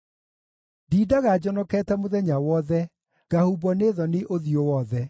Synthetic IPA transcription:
diːdaɣad͡ʑɔnɔkɛːtɛmoðɛɲawɔðɛ | ɡ̥ahubɔneðɔneʔoðjowɔðɛ

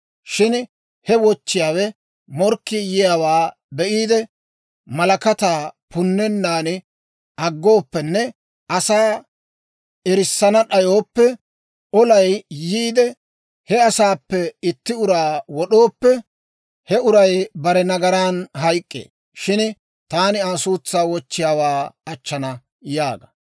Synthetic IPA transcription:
ʃɪn | hɛwɔt͡ʃːɪjaːwɛ | mɔɾkːɪjɪjaːwaː | bɛʔiːd̪ɛ | mɐlɐkɐt̪aːpʊnːɛnːaːnɪ | ʔɐɡːo̞ːpːɛnːɛ | ʔɐsaː | ɛɾɪsːɐnɐɗɐjo̞ːpːɛ | ʔɔlɐjjiːd̪ɛ | hɛɐsaːpːɛɪt̪ːɪʊɾaːwɔɗoːpːɛ | hɛʊɾɐjbɐɾɛnɐɡɐɾaːnɦɐjkʼːḛː | ʃɪn | t̪aːnɪaːsuːt͡sːaːwɔt͡ʃːɪjaːwaːɐt͡ʃːɐnɐ | jaːɡɐ

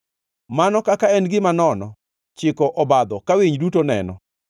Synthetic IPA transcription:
manɔkakaɛnɡɪmanɔnɔ | t͡ʃɪkɔʔɔbad̪ɔkawiɲdutonɛ̰nɔ̰

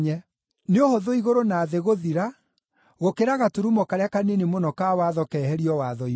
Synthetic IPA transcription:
ɲɛ | neohoðoiɣoɾonaːðeɣoðiɾa | ɣokeɾaɣatuɾumɔkaɾeakanenemonɔkawaðɔkɛhɛɾiɔwaðɔi

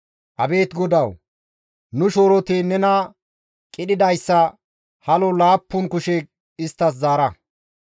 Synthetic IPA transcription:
ʔɐbe̞ːt̪ɡɔd̪ɐw | nʊʃo̞ːɾɔt̪inɛnɐ | kʼɪɗɪd̪ɐjsːɐ | hɐlɔlaːpːʊnkʊʃɛ | ɪst̪ːɐs̬zaːɾɐ

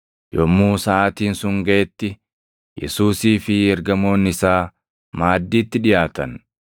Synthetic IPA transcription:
jɔmːuːsɐʔaːt̪iːnsʊŋɡɐʔɛt̪ːɪ | jɛ̰suːsiːfɪɛɾɡɐmo̞ːnɪsaː | maːd̪ːiːt̪ːɪᶑɪjaːt̪ɐ̰n

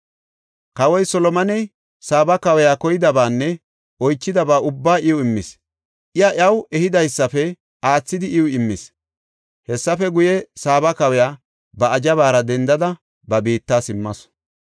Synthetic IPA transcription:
kɐwɔjsɔlɔmɐnɛj | saːbɐkɐwɛjaːkɔjɪd̪ɐbaːnːɛ | ɔjt͡ʃːɪd̪ɐbaːʊbːaːʔɪʊɪmːɪs | ʔɪjɐʔjɐwɛhɪd̪ɐjsːɐfɛ | aːt͡sːɪd̪ɪʔɪʊɪmːɪs | hɛsːɐfɛɡʊjɛsaːbɐkɐwɛjaː | bɐɐd͡ʒɐβaːɾɐd̪ɛnd̪ɐd̪ɐ | bɐbiːt̪ːaːsɪmːɐs

